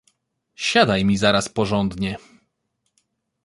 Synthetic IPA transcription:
ɕad̪ajmʲizaɾaspɔʐɔnd̪ɲɛ

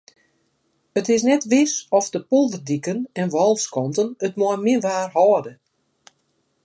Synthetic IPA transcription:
ətɪs̬nɛtʋɪsɔfdəpolˠdədikənɛnʋɔlˠskɔntənətmɔəmɪənʋaːrhɔːədə

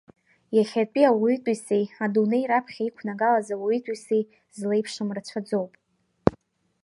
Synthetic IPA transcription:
jaχʲatʼiawitʼisejadunejɾapʰχʲaikʷʰnaɡalazawitʼisej | zle̞jpʰʂɨmrat͡ɕʷʰad͡zo̞wpʼ

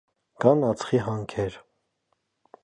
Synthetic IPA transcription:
kɑnɑt͡sχiɦɑŋkʰɛɾ

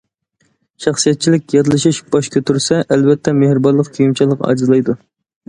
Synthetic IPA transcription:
ʃɑχsijɛt̪̚t͡ʃʰilɪk̚ʲjɑt̪ɨlˠɨʃiʃb̥ɑʃkʲʰøt̪ʰyɾsɛʔɛlvɛt̪ʰːɛmehɾɨbɑlːˠəqkʲʰyjimt͡ʃʰɛlˠːəqɑ̰ːd͡ʒizlˠɑjd̪u

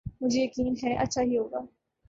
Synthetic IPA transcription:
mʊ̃d͡ʑʱijɐkiːnɦɛʔɐ̰tːʃʰaɦiɦoːɡaː

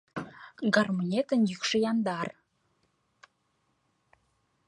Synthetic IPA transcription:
ɡɑrmonʲet̪ənjykʃejɑnd̪ɑr

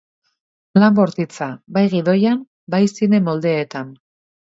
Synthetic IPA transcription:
lamboɾt̪it͡sabajɣiðo̞jan | bajsine̞mo̞ld̪e̞ːt̪an

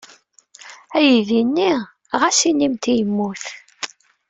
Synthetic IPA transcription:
æjiðinːi | ʁæsinːimt̪ijəmːuθ

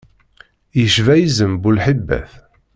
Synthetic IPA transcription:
jəʃvæjizəmbulħibːæ̰θ

